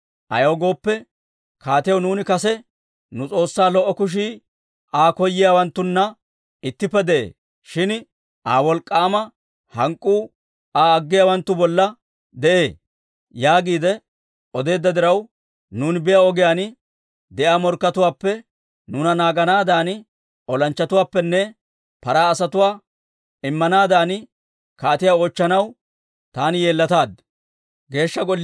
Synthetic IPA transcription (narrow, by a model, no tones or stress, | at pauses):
ʔɐ̰joːɡo̞ːpːɛ | kaːt̪ɪjɐwnuːnɪkɐsɛ | nʊt͡sʼo̞ːsːaːlɔʔːɔkʊʃ̬iː | aːkɔjːɪjaːwɐnt̪ːʊnːɐ | ɪt̪ːɪpːɛd̪ɛʔḛː | ʃɪn | ʔaːwɔlkʼːaːmɐ | hɐŋkʼːuː | aːɐɡːɪjaːwɐnt̪ːʊbɔlːɐ | d̪ɛʔe̞ː | jaːɡiːd̪ɛ | ɔd̪e̞ːd̪ːɐd̪ɪɾɐw | nuːnbɪjaɔɡɪjaːnɪ | d̪ɛʔaːmɔɾkːɐt̪ʊwaːpːɛ | nʊnɐnaːɡɐnaːd̪aːnɪ | ɔlɐnt͡ʃːɐt̪ʊwaːpːɛnːɛ | pɐɾaːsɐt̪ʊwaː | ɪmːɐnaːd̪aːnɪ | kaːt̪ɪjaːoːt͡ʃːɐnɐw | t̪aːnɪje̞ːlːɐt̪aːd̪ | ɡe̞ːʃːɐɡɔlː